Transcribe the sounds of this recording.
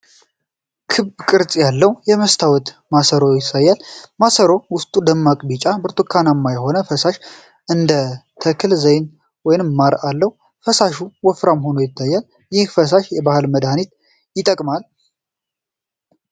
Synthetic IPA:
kʰɨβbkʼɨɾt͡sʼjalːəwjɛməst̪ʰawɔt̪masəɾojɪsajːalmasəɾo̞wʊst̪ʼud̪əmːakʼbit͡ʃʼabɨɾt̪ʼukʰːanamːajɛɦo̞nəfəsaʃ | ʔɨnd̪ət̪ʰəkʰɨlzəjn | wɔjnɨmːaɾalːəhu | fəsaʃuwɔfɾamɦo̞nojɪt̪ʰːajːal | jɪhfəs̬aʃjɛbahɨlməd̪anit̪ | jɪt̪ʼəkʼmal

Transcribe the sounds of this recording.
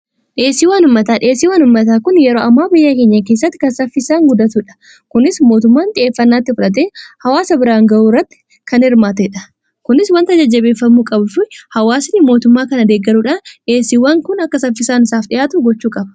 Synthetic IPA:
ᶑɪeːsːiwɐːnhʊmːɐt̪aːᶑɪeːsːiːwɐnhʊmːɐt̪̬aːkʊnjɛɾoːɐmːaːbɪjːɐke̞ːɲːɐkeːsːɐt̪ːɪ̥kɐnsɐfɪsaːŋɡʊd̪ɐt̪uᶑɐ̥ | kʊnɪsmo̞ːt̪ʊmːaːnt̪ʼɪʔe̞ːfːɐnːaːt̪ːɪfʊᶑɐt̪̬eːhɐwaːsɐbɪɾaːŋɡɐuːɾːɐt̪ːɪ̥ | kɐnhɪɾmaːt̪eᶑɐ | kʊnɪswɐnt̪ɐd͡ʒɐd͡ʒːɐbeːfːɐmːuːkʼɐbʊfʊhɐwaːsɪnːɪmo̞ːt̪ʊmːaːkɐnɐd̪eːɡːɐɾuːᶑaːnᶑeːsːɪwɐŋkʊnɐkːɐsɐfːɪsaːnɪsaːfɗɪjaːt̪ʊɡɔt͡ʃːuːkʼɐbɐ̥

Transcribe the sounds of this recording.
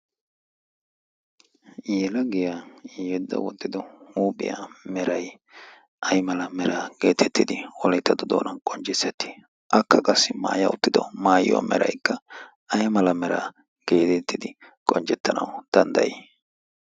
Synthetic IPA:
jeːlɐɡɪjajɛd̪ːɐ̰wɔt̪ːɪd̪ɔhuːpʼɪ̰ja̰mɛɾɐj | ʔɐjmɐlɐmɛɾaːɡeːt̪ʰɛt̪ːɪd̪ɪɔlɛjt̪ːɐd̪ɔd̪o̰ːnɐnkʼɔnt͡ʃʼɪsːɛt̪ːi̥ | ʔɐkːɐkʼɐsːɪma̰ːjɐʊt̪ːɪd̪ɔmaːj̰a̰mɛ̰ɾɐ̰jkːɐ | ɐjmɐlɐmɛɾa̰ | ɡ̥e̞ːt̪ɛt̪ːɪd̪ɪ | kʼɔnt͡ʃɛt̪ːɐnɐ̰wd̪̥ɐnd̪ɐ̰je

